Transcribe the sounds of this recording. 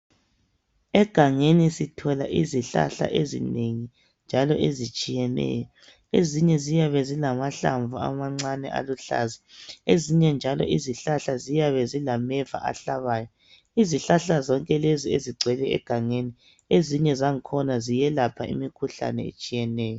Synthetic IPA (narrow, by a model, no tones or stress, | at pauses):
ɛɡ̥ʱaŋenisitʰɔlaʔiziɬa̰ɬa̰ʔezḭneŋi | nd͡ʒʱalɔʔezit͡ʃʼijɛnɛ̰ːjɔ | eziɲɛzijaβɛzilamaɬa̰ɱvua̰maŋ͡ǀanɛ̰ʔa̰luɬa̰zieziɲɛnd͡ʒʱalɔ̰ʔiziɬaɬazijaβɛzilamɛva̰ʔa̰ɬaβaːjɔ | iziɬaɬazɔŋkʼɛlezieziɡ͡ǀʱwɛlɛɛ̰ɡ̥ʱaŋeni | eziɲɛzaŋkʰɔnazijɛlapʰaḭmikʰuɬa̰nɛḛt͡ʃʼijɛnɛːjɔ